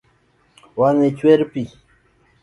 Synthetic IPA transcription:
wanet͡ɕweɾpi

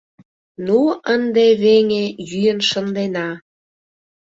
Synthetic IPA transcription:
nuənd̪eβeŋejyjənʃənd̪enɑ

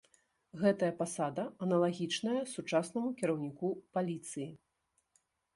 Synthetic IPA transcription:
ɣɛt̪ɐjɐpasad̪ɐɐnɐlˠaɣʲit͡ʂnɐjɐsut͡ʂasnɐmukʲiɾɐwnʲikupalʲit̪sɨji

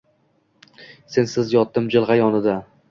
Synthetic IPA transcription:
se̞nsɪzjɒt̪ːɪmd͡ʒɪlˠʁajɒnɪd̪a

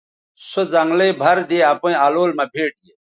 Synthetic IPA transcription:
sozɐŋɡleːbʱɐɾd̪eːaːpõĩaːloːlmãːbʱeːʈie

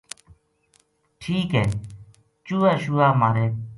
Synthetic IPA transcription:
ʈʰiːkɦɛː | t͡ʃuːaːʃuːaːmaːɾeː

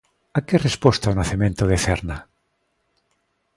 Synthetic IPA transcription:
akerespost̪aonaθimẽnt̪oðeθeɾna

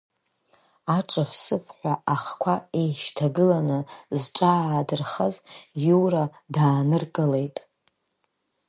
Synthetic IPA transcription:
aʈ͡ʂʼafsɨpʰħʷaaχkʷʰaejʃtʰaɡɨlanɨzʈ͡ʂʷʼaːdɨrχazjura | daːnɨrkʼɨle̞jtʼ

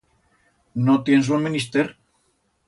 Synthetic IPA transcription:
not̪jensunminist̪eɾ

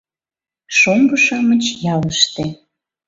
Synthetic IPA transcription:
ʃoŋɡəʃɑmət͡ɕjɑləʃt̪e

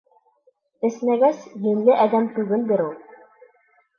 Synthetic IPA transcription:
ɘ̆snæɡæsjɘ̆mlɘʔæd̪æmt̪ʉɡɘnbɘɾulˠ

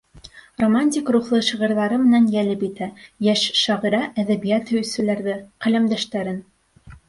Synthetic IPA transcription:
romanʲtʲikruχlˠɤʃĭʁɤ̆ɾðɑɾɤmɘ̆nænjælɘpit̪æjæʃʃɑʁɤ̆ɾɑʔæðæβijæt̪hɵ̆jɵsɘ̆læɾðɘqælæmd̪æʃt̪æɾɘn

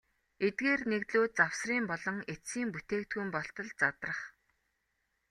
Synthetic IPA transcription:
et̪̚ɡeːrnekt̪ɮoːt̪̚t͡saw̥sriːmpɔɮɞ̆ŋesiːmput̪eːkt̪ɡujmpɔɬt̪ɞ̆ɮt͡sat̪rə̆χ

